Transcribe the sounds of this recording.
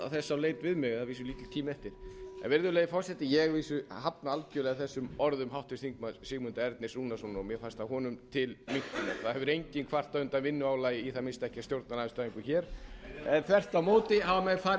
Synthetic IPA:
a̰θɛsːawleːjt̪vɪðmɪɣaviːsʏliːt̪ɪlt̪ʰiːmɛft̪ɪɾ̥ɛ̰nvɪɾðʏleːjɪfɔr̥sɛt̪ːɪjɛɣviːsʏhapnaalcœːlɛɣaθɛsːʏmɔɾðʏmɦawht̪ɪsθiŋkmasɪɣmʏnt̪aɛɾt̪nɪsuːnasunaɔmjɛfast̪aɦɔːnʏmt̪ʰɪlmiŋ̥t̪ɪnaθaðhɛvʏɾejɲcɪnkʰvar̥t̪aʏnt̪amɪnːʏaːwlaːjɪiθaðmɪnst̪aɛhcast̪jowɾt̪naɾaðɪst̪aiŋkʏçɛːɾ̥ɛnθvɛr̥t̪amoːwt̪ɪhavamɛfaː

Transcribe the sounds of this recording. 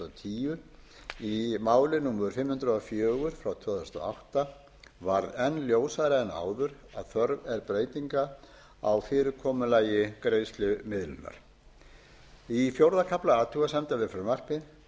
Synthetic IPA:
t̪ʰiːʏɾ | imaːwlɪnuːmðʏɾfɪmːhʏnt̪ɾʏɔfjœːɣʏɾ̥fɾawt̪ʰvœːðaʏst̪a̰a̰wht̪a | vaɾðɛnːljoːwsaðɾɪɛna̰ːwðʏɾa̰ðθœɾvɛɾpɾeːjt̪iŋka | a̰wfɪːɾʏɾkʰɔːmʏlaːjɪkɾeːjst̪lʏmɪðlʏnːa̰ɾ̥ | ifjowɾðakʰaplaaːt̪ʰuɣasɛmt̪avɪfʏmar̥pɪ

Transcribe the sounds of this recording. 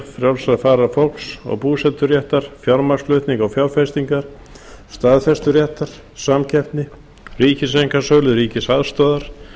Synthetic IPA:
fɾjawlsaðfaːɾafowl̥ksɔ̰ɣpuːsɛt̪ʏɾjɛht̪aɾ̥fjaɾmast̪lœɥt̪niŋkawfjawɾfɛst̪iŋkaɾ̥ | st̪aːðfɛst̪ʏɾjɛht̪aɾ̥ | samcʰɛft̪nɪ | riːcɪsejŋkasœːɣlʏɾiːcɪsaðst̪œːðaɾ̥

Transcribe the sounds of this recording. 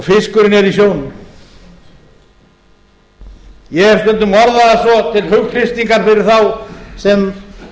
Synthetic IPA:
fɪskʏɾɪnɛɾisjoːwnʏm | jɛɛst̪ɛnt̪ʏmɔɾðaasvɔt̪ʰɪlhʏɣkʰɾɪst̪iŋkaɾ̥fɪɾɪɾ̥θawsɛm

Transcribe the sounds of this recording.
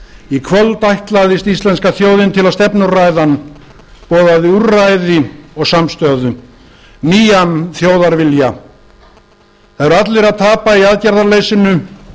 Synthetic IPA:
ikʰvœlt̪ajht̪laðɪst̪ist̪lɛnskaθjoːwðɪnt̪ʰɪlaðst̪ɛpnʏraːjðan | pɔːðaðuɾajðɪɔɣsamst̪œːðʏ | niːjanθjoːwðaɾvɪlja | θaðɛɾat̪lɪɾaðt̪ʰaːpaiaːðcaɾðaɾlejsɪnʏ

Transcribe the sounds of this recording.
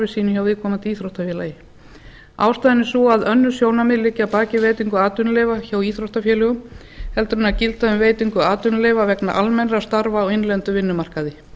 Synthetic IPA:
vɪsiːnʏçjawvɪðkʰɔːmat̪iːθɾowht̪afjɛːlajɪ | a̰ːwst̪aːjɪnːɪsuaðœnːʏsjoːwnamɪðlɪcːapaːcɪveːjt̪iŋkʏaːt̪ʏnleːvaçaːwiːθɾowht̪afjɛːlɛɣʏm | hɛlt̪ʏɾʏnacɪlt̪aʏmveːjt̪iŋkʏaːt̪ʏnleːvavɛkna̰ʔalmɛnɾast̪aɾvaːwɪnlɛnt̪ʏvɪnːʏmar̥kaðɪ

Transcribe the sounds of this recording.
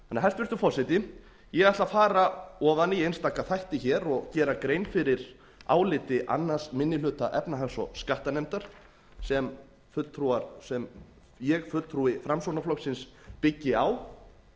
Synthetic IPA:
hanːaɦɛst̪vɪɾ̥st̪ʏfɔsɪt̪ɪ | jɛɣaht̪lafaːɾaɔɣðanːɪjejnst̪aːkːaθajht̪ɪçɛːɾɔɣcɛːɾakɾeːjnfɪɾɪɾ | a̰ːwlɪːt̪ɪʔa̰nːḁsmɪnːɪlʏːt̪aʔɛpnaɦɛnsɔskaht̪anɛmt̪aɾ̥ | sɛm | fʏt̪ʰɾuaɾsɛm | jɛɣfʏ̥t̪ʰɾuɪfɾamsownaflɔksɪnspɪcːɪaw

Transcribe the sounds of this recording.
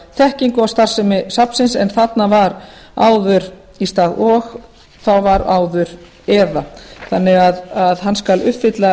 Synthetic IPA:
θɛhciŋkʏawst̪ar̥sɛmɪsapn̥sɪnsɛnθat̪navaɾ | a̰ːwðʏɾ | ist̪aːðɔɣ | θawvaɾa̰ːwðʏɾ | ɛːðaθanːɪɣaðaðɦanːskalʏht̪fɪt̪la

